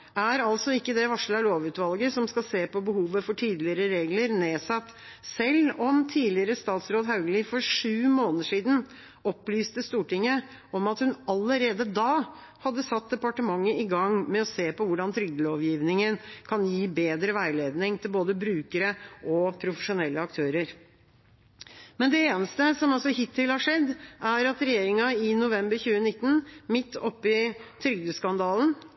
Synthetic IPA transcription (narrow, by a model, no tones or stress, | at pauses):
æɾɑlsɔɪkːəd̪ɛʋɑʂlɑloːʋʉːt̪ʋɑlɡəsɔmskɑlseːpɔbəhuːʋəfɔʈʰiːd̪lɪəɾəɾeːɡləɾneːsɑt̪ː | sɛlːɔmt̪ʰiːlɪəɾəst̪ɑːt̪sɾoːd̪ɦɑʉɡəlɪfɔɾʂʉːmoːnəʂiːd̪n̩ | ɔpːlyːst̪əst̪uːʈɪŋːə | ɔmɑt̪hʉnɑlːəɾeːd̪əd̪ɑː | hɑd̪ːəsɑt̪̚d̪ɛpɑʈəmɑŋːəɪɡɑŋmɛɔseːpɔʋʊɖɑnt̪ʰɾʏɡ̚d̪əloːʋjiːʋnɪŋənkʰɑnjiːbeːd̪ɾəʋæɪleːd̪nɪŋt̪ʰɪlboːd̪əbɾʉːkəɾəʔɔpʰɾʊfəʂʊnɛlːəɑk̚t̪ʰøːɾəɾ | mɛnd̪ɛeːnəst̪əsɔmɑlsɔhɪt̪ʰːɪlhɑʂɛd̪ːʔæɾɑt̪ɾɛjeːɾɪŋɑɪnʊʋɛmbəɾçʉːənɪt̪ːən̩mɪt̪ːɔpːɪt̪ʰɾʏɡd̪əskɑnd̪ɑːln̩